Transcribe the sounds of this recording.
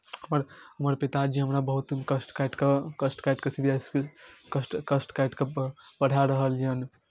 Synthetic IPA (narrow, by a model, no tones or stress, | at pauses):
ɦəməɾɦəməɾpit̪ad͡ʒiɦəmɾabəɦut̪kəsʈkajʈkekəsʈkajʈkesibʱiaskkəsʈkəsʈkajʈkebəɽ̤ʱaɾəɦələn